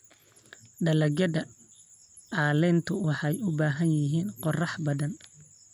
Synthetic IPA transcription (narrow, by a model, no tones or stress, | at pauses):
ɖɐlɐɡɐðɐ | ʔaːlɛːnt̪ʰʊwɑħɑjʊbaːɦɐnjɪɦiːnqɔrɑħbɐðɐn